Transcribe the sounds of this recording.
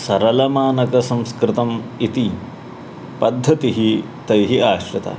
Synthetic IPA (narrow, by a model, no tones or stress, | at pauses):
sɐɾɐlɐmaːnɐkɐsɐ̃mskɾɪt̪ɐmit̪i | pɐd̪ʱːɐt̪iɦi | t̪ɐjɦiaːʃɾɐt̪ɐ̰